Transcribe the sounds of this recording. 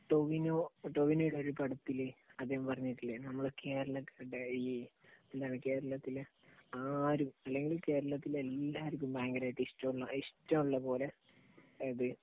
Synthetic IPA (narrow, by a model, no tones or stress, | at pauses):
ʈoʋinoːʈoʋinoːjiɽeoɾupɐɽut̪ːileɐd̪ːehɐmpɐrɐɲːiʈːilːenɐmːɐɭke̞ːɾɐɭɐkːajʈːei | end̪aːjneke̞ːɾɐɭɐt̪ːil | aːɾumɐlːe̞ŋɡilke̞ːɾɐɭɐt̪ːilelːaːɾik̬ʲːumbaːŋɡɐɾaːjiʈːiʂʈːɐmuɭːɐiʂʈːɐmuɭːɐpo̞ːle | ɐðɨ